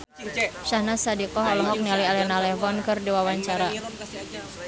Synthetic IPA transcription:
ʃahnasadikɔɦɔlɔɦɔk̚nialialɛnalɛfɔnkɨrdiwawaɲt͡ʃaɾa

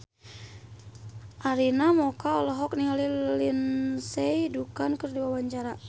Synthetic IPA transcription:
ʔaɾinamɔkaɔlɔɦɔk̚niɦalilinsɛjdukankərdiwawaɲt͡ʃaɾa

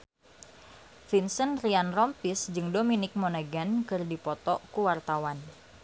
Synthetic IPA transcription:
finsənrianrɔmpisd͡ʒɨŋdominɪk̚monaɡankɨrdipɔt̪ɔkuwart̪awan

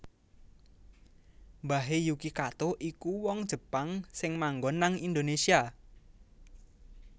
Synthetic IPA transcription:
mbaɦejukikat̪oʔikuwɔŋd̥ʒ̥ə̤paŋsɪŋmaŋɡɔnːaŋind̪onesia

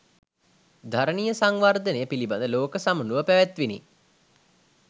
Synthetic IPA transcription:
d̪ʱaɾənijəsaŋʋard̪ənejəpiliband̪əloːkəsamənuʋəpæʋæt̪ʋinḭ

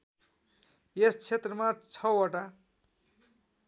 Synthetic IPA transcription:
jest͡sʰet̪rʌmat͡sʰʌwʌʈa

